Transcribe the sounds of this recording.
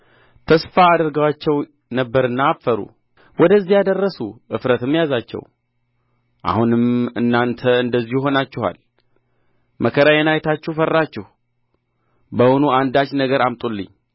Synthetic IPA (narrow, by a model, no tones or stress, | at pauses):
t̪ʰəsfaːd̪əɾɡəwat͡ʃːɛw | nəbːəɾɨnːaːfːəɾṵ | wɔd̪əzːijad̪ərːəsuʔɨfɾət̪ɨmːjazat͡ʃːɛ̰w | ʔa̰hunɨmɨnːant̪ʰəɨnd̪əzːihuɦo̞nat͡ʃːɛha̰l | mʔəkʰəɾajɛnajɛt̪ʰat͡ʃːɛhfərːat͡ʃːɛhu | bəhonuand̪at͡ʃːnəɡəɾamt̪ʼulːɨ̰ɲː